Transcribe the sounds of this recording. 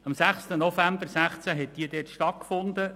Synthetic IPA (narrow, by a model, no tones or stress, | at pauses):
ɑmsæχstənɔfæmbəɾsæχt͡sæɦɛt̚d̥iːdɛːtʃtɑt̚kfʊnd̪ə